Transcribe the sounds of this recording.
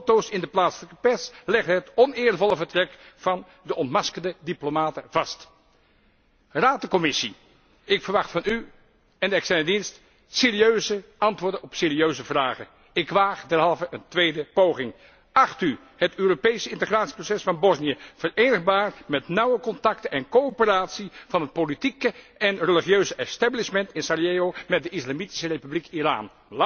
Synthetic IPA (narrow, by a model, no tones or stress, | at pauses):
owtowsɪndəplaːtsələkəpɛslɛχtɦətɔnɪːɹəlvɔlˠəvəɹtrɛkfɑn | dəʔɔntmɑskəndədiplomaːtəvɑst | raːtəkɔmɪsi | ɪkfəɹʋɑχtfɑny | ɛndəɛkstɛɹnədinst | sɪːɾiøɥzəɑntʋʊːɹdənɔpsɪːɾiøɥzəvraːχən | ɪkʋaːχdɛɹɦɑlˠvəʔəntʋejdəpowχɪŋ | ʔɑχty | hətøːropejsəɪntəχraːtsiprosɛsfɑnbɔsnijəv̥əɹejnəχbaːɹmɛtnʌwəkɔntɑktənɛnkowopəraːtsivɑnɦət̚politikəɛnrəliχiøɥzəʔɛstablɪʃmɛntɪnsaɹjeowmɛt̚dəɪslamiti̥sərejpyblikira̰ːn